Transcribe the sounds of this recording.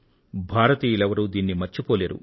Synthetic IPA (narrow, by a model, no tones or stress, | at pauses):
bʱaːɾɐt̪iːjulɛʋɐɾud̪iːnːimɐɾt͡ʃipoːleːɾṵ